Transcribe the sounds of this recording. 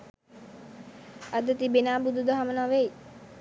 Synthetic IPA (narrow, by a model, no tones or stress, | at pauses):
ad̪ət̪ibenaːbud̪ud̪əɦamənɔʋej